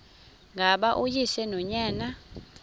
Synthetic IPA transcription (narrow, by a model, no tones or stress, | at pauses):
ŋʱaɓaʔujiʃɛnɔɲaːna